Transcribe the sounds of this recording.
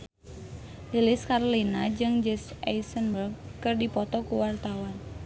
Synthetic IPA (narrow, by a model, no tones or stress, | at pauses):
lilɪskarlinad͡ʒɨŋd͡ʒɛsajsənbərɡkɨrdipɔt̪ɔkuwart̪awan